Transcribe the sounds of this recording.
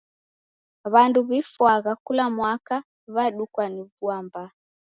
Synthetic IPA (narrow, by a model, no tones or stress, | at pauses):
βanduβifwaɣakulamwaka | βaɗukwaniβuamba